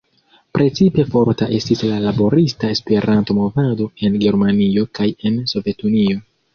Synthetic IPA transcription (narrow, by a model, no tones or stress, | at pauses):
pɾʔe̞t͡sipe̞fo̞ɾtaʔe̞stislalabo̞ɾistae̞spe̞ɾʔanto̞mo̞vado̞e̞nɡe̞ɾmanio̞kaje̞nso̞ve̞tunio̞